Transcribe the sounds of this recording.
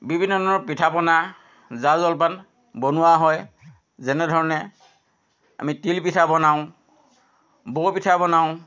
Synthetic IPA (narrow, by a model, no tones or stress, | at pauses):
bibʱinːɔdʱɔɹnɔpitʰapɔna | zazɔlpan | bonʊwaɦɔj | zɛnɛdʱɔɹɔnɛ | a̰mitilpitʰabɔnaʊ̃ | bopitʰabɔnaʊ̃